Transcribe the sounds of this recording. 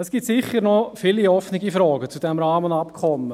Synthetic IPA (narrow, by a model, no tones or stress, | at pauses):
əsɡ̥iːtsɪχːəɾnɔfiliɔfnɪɡifɾɔːɡət͡sud̥ɛmɾɑːmənɑpkʰɔmə